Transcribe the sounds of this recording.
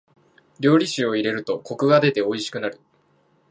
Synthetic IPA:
ɾʲo̞ːɾʲiɕio̞iɾe̞ɾɯ̟t̪o̞ko̞kɯ̟ɡad̪e̞t̪e̞o̞iɕi̥kɯ̟naɾɯ̟

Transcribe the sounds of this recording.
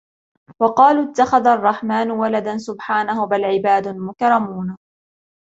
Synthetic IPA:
wɑqɑːluːɪt̪ːaxaðaɑrˤːɑħmaːnʊwalad̪ansʊbħaːnahʊbalʕɪbaːd̪ʊmʊkɾˤɑmuːn

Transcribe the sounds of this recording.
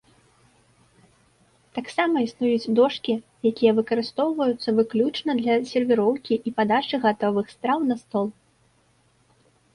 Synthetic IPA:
t̪aksamɐisnujud͡zʲd̪ɔʂkʲijakʲijɐvɨkɐɾɨst̪ɔwvɐjut̪sːɐvɨklʲut͡ʂnɐd̪lʲɐsʲɛrvʲiɾɔwkʲiʔipad̪at͡ʂɨɣat̪ɔvɨxst̪ɾawnɐst̪ɔlˠ

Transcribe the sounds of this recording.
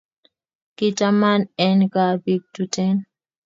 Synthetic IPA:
kitamanɛnkabiɡ̚tutɛn

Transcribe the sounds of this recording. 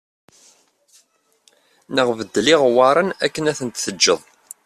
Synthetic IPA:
nəʁvəd̪ːliʁwɑɾˤənæ̰kːənæθənt̪θəd͡ʒːəðˤ

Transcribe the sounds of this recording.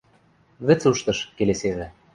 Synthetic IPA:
βɘ̆t͡suʃt̪ɤ̆ʃkeleseβɘ̆

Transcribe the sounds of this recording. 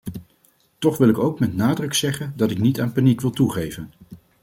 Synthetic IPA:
tɔχʋɪlˠɪkowkmɛtnaːdrɵksɛχəndɑtɪknitaːnpanikʋɪlˠtuχejvən

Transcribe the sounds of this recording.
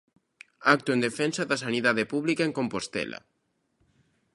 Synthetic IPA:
ak̚t̪ʊẽnd̪efɛnsɐðɐsaniðaðepuβlikaeŋkompost̪ɛ̰lɐ̰

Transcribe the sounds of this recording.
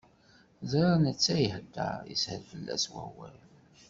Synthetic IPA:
zɾˤɑnət͡sːæjəhəd̪ːə̰jə̰shəɾfəlːæ̰swæ̰wæl

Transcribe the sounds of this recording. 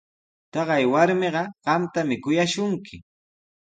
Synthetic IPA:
t̪ɑɢɑjwaɾmɪɢɑɢ̥ɑmt̪amɪkʊjaʃʊŋkʰɪ

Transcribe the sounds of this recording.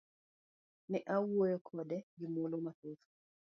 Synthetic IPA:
nɛʔawojɔkʰɔdɛɡɪmolomat̪uf

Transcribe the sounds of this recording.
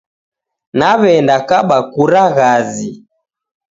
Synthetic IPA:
naβɛndakaɓakuɾaɣazi

